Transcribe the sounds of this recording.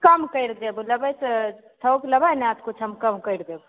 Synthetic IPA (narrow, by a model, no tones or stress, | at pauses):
kəmkəjɾd̪ebuləbəs | sʰəwkləbajneat̪kut͡ʃʰɦəmkəmkəjɾd̪eb